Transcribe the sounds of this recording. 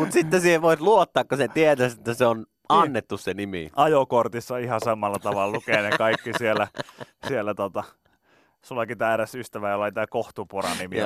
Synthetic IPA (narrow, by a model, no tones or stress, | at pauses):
mut̪sit̪ːesiːheʋʋoˑit̪luot̪ːɑːkkoset̪iet̪æset̪ːæseon | ɑnːet̪ːussenimḭʔɑjokort̪isːɑihɑsɑmːɑlːɑt̪ɑʋɑllukeːnekɑikːisielːˑæsielːæt̪ot̪ɑ | sulːɑkit̪æːɾæsyst̪æʋæjolːɑit̪æːkoht̪uporɑ̰nimi